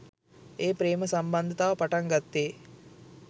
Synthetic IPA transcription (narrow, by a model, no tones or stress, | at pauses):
eːpɾeːməsɐmbɐnd̪ʱət̪aːpaʈaŋɡat̪ːeː